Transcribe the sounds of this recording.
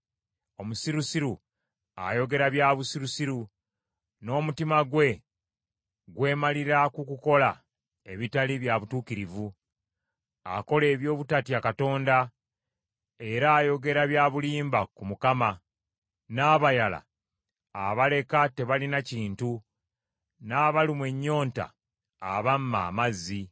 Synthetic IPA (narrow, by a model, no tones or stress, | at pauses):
o̞musiɾusiɾu | a̰jo̞ɡe̞ɾaβjaβusiɾusiɾu | no̞ːmutimaɡwe̞ | ɡwe̞ːmaliɾakukuko̞la | e̞βitaliβjaβutuːkiɾivu | a̰ko̞le̞ːβjo̞ːβutatijakato̞ːnda | e̞ɾaːjo̞ɡe̞ɾaβjaβuliːmbakumukama | naːβajala̰ | aβale̞kate̞βalinaciːntu | naːβalimwe̞ɲːo̞ːnta̰ | a̰βamma̰ːmazːi